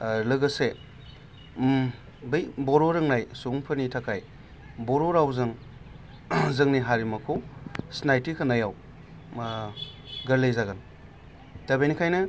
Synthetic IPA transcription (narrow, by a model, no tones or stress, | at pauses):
lɯɡɐse | bɯjbɔɾoɾɯŋnajsuŋpʰɯnitʰakʰaj | bɔɾoɾawzɯŋ | zɯŋniɦaɾimɐkʰosnajtikʰanajaw | ɡɐɾlejzaɡan | tabejnikʰajnɐ